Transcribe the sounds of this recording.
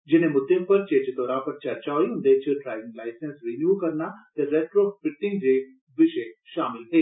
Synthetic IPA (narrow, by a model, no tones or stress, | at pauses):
d͡ʒɪnẽmʊd̪ːẽpɐɾt͡ʃẽːd͡ʒd̪ɔːɾãːpɐɾt͡ʃɐɾt͡ʃaːiɦʊ̃nd̪et͡ʃəʈɾaːʋɪ̃ŋɡlaːɪsẽnsɾinjuːkɐɾnat̪eɾɛːʈɾoːpɪʈːɪ̃ŋɡd͡ʒeː | ʋɪʃeʃaːmɪlɦeː